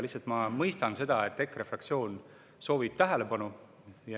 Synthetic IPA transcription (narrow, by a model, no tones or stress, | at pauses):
lisːɑt̪mɑmɤjst̪ɑnse̞d̪̥ɑet̪ːˑe̞kːˑre̞frɑk̪̚sio̞ːn | so̞ːvib̥̚t̪æɦele̞pɑnu | jɑ